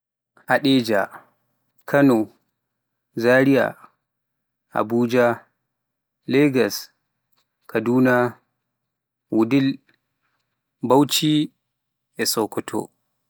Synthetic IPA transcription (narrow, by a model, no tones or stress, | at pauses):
ʔaɗɛd͡ʒa̰ | kʰanɔ | zaɾija̰ | a̰buːd͡ʒa | lɛɡas | kʰaduːna | wudil | bawt͡ʃi | ʔɛsɔkɔtʰɔ̰